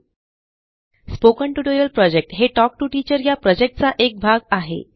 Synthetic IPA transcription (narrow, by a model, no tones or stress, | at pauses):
spokəɳʈuʈojəlpɾɔd͡ʑek̚ʈɦeʈɔk̚ʈuʈiːt͡ɕəɾjapɾɔd͡ʑek̚ʈ̚t͡saʔek̚bʱaɡaɦḛ